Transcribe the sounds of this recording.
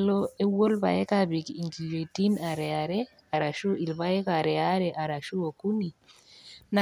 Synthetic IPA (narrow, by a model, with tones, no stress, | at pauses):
lo˦e˦wo˦lba̰˨ɛ˦ka˦bi˨ki˨ŋɡi˨jo˨i˨ti˦na˨ɾɛ˨a˨ɾe˦ | a˨ɾa˨ʃu˦i˨lβa˦ɛ˦ka˨ɾɛ˨a˦ɾe˨ʔa˨ɾa˨ʃu˦o˨ku˦ni˨ | na˨